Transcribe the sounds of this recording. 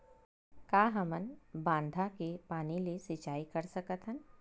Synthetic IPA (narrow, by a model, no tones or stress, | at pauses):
kaːɦəmənbãːnd̪ʱakepaːnilisɪt͡ʃaːikɐɾsɐkət̪ɦən